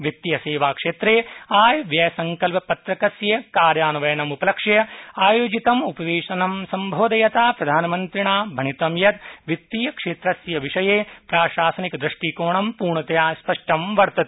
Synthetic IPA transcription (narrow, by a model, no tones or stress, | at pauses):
ʋit̪ːijɐseːʋaːkʂeːt̪ɾeːaːjʋjɐsɐŋkɐlpɐpɐt̪ɾɐkɐsjɐkaːɾjaːnɐʋɐjɐnɐmupɐlɐkʂɐjɐaːjoːd͡ʒit̪ɐmupɐʋeːʂɐnɐmsɐmbʱoːd̪ɐjɐt̪aːpɾɐd̪ʱaːnɐmɐnt̪ɾiɳaːbʱɐɳit̪ɐmjɐt̪ʋit̪ːijɐkʂeːt̪ɾɐsjɐʋiʂɐjeːpɾaːʃaːsɐnikɐd̪ɾɐʂʈiːkoːɳɐmpuːɾɳɐt̪ɐjaːspɐʂʈɐmʋɐɾt̪ɐt̪e̥